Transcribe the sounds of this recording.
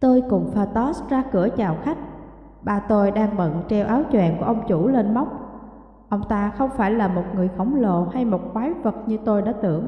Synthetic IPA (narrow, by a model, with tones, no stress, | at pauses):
t̪o˧jkʊ˨˩ŋ͡mfaː˧˩t̪ɔ˦˥szaː˧kɨ˧˩ət͡ɕaː˨˩wxa˦˥jk̟̚ | ɓaː˨˩t̪o˧jɗaː˧ŋɓə̰˧˨nt͡ɕɛ˧wʔaː˨˦wt͡ɕwɛ̰˧˨nku˧˩əʔə˧wŋ͡mt͡ɕu˧˩le˧nma˦˥wk͡p̚ | ʔə˧wŋ͡mt̪aː˧xə˧wŋ͡mfaː˧˩jlaː˨˩mo˨˩t̚ŋɨ˨˩əjxə˧˩wŋ͡mlo̰˧˨ha˧jmo˨˩t̚kwaː˨˦jvə˨˩t̚ɲɨ˧t̪o˧jɗaː˧˥t̪ɨ̰˧˩əŋ